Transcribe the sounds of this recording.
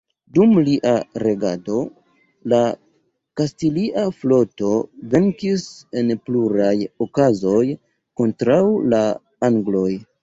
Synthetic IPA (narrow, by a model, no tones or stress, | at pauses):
dumliʔaɾe̞ɡado̞ | la | kastiliʔaflo̞to̞ve̞ŋkise̞npluɾajokazo̞j | ko̞ntɾawla | aŋɡlo̞j